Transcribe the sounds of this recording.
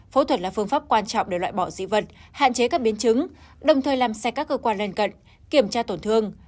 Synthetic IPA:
fo˨˦t̪wə˨˩t̚laː˨˩fɨ˧əŋfaː˦˥p̚kwaː˧nt͡ɕɔ̰˧˨wŋ͡mɗe˧˩lwa̰ː˧˨jɓɔ˧˩zḭ˧˥və˨˩t̚ha̰ː˧˨nt͡ɕe˨˦kaː˦˥k̚ɓi˨˦ənt͡ɕɨ˨˦ŋ | ɗə˨˩wŋ͡mt̪ʰəː˨˩jlaː˨˩msɛ˧kaː˦˥kːəː˧kwaː˧nlə˧nkə̰˧˨n | ki˨˩əmt͡ɕaː˧t̪o˧˩nt̪ʰɨ˧əŋ

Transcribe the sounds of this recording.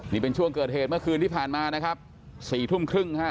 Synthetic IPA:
niː˦˥˩pe˧nt͡ɕʰu˥˩əŋkɤː˨˩t̪̚ɦeː˨˩t̪̚mɯ˥˩ɐkʰɯː˧nt̪ʰiː˥˩pʰaː˨˩nmaː˧na˦˥kʰa˦˥p̚ | siː˨˩t̪ʰu˥˩mkʰɾɯ˥˩ŋa˥˩

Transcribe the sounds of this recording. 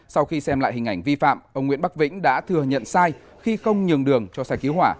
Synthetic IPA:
sa˧wxi˧sɛ˧mla̰ː˧˨jhï˨˩ŋ̟ʔa˧˩jŋ̟vi˧fa̰ː˧˨mʔə˧wŋ͡mŋḭ˧˥ənɓa˦˥k̚vḭ˧˥ŋ̟ɗa̰ː˧˥t̪ʰɨ˨˩əɲə̰˧˨nsaː˧j | xi˧xə˧wŋ͡mɲɨ˨˩əŋɗɨ˨˩əŋt͡ɕɔ˧saː˧jki˨˦əwhwaː˧˩

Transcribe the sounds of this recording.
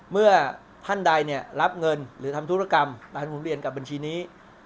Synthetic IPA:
mɯ˥˩ɐ | t̪ʰa˥˩nda˧jni˥˩ɐɾa˦˥p̚ŋɤ˧nɾɯː˩˦t̪ʰa˧mt̪ʰu˦˥ɾa˧˩ka˧maː˨˧˩kʰu˩˦mɾi˨˩ənka˨˩ba˧nt͡ɕʰiː˧niː˦˥

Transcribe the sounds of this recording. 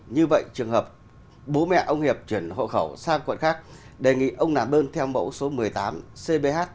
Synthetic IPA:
ɲɨ˧və̰˧˨jt͡ɕɨ˨˩əŋɦəː˨˩p̚ | ɓo˨˦mɛ̰˧˨ʔə˧wŋ͡mhi˨˩əp̚t͡ɕwi˧˩ənho̰˧˨xə˧˩wsaː˧ŋkwə̰˧˨nxaː˦˥k̚ | ɗe˨˩ŋḭ˧˨ʔə˧wŋ͡mnaː˨˩ɗəː˧nt̪ʰɛ˧wmə̰˧˥wso˨˦mɨ˨˩əjt̪aː˨˦mse˧ɓe˧haː˦˥t̚

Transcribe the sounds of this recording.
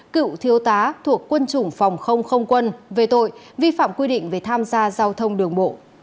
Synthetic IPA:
kɨ̰˧˨wt̪ʰi˨˦əwt̪aː˨˦t̪ʰu˨˩əkːwə˧nt͡ɕʊ˨˩ŋ͡mfa˨˩wŋ͡mxə˧wŋ͡mxə˧wŋ͡mkwə˧nve˨˩t̪o̰˧˨j | vi˧fa̰ː˧˨mkwi˧ɗḭ˧˨ŋ̟ve˨˩t̪ʰaː˧mzaː˧zaː˧wt̪ʰə˧wŋ͡mɗɨ˨˩əŋɓo̰˧˨

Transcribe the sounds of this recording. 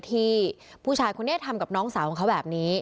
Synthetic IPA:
t̪ʰiː˧˥˩ | pʰuː˥˩t͡ɕʰaː˧˩jkʰu˧nːi˥˩t̪ʰːa˧mka˨˩p̚nɔː˦˥ŋsaː˩˦wkʰa˦˥bɛː˨˩p̚niː˦˥

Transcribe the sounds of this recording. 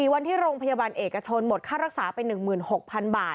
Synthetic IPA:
iː˨˩wa˧nt̪ʰiː˥˩ɾoː˧ŋpʰa˧jaː˧baː˧nʔeː˨˩kːa˧t͡ɕʰo˧nmo˨˩t̪̚kʰaː˥˩ɾa˦˥k̚saː˩˦pa˧jnɯ˨˩ŋmɯː˨˩nho˨˩k̚pʰa˧nbaː˨˩

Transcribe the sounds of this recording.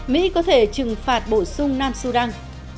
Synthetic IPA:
mḭ˧˥kɔ˨˦t̪ʰe˧˩t͡ɕɨ˨˩ŋfaː˨˩t̚ɓo˧˩sʊ˧ŋ͡mnaː˧msu˧ɗa˧ŋ

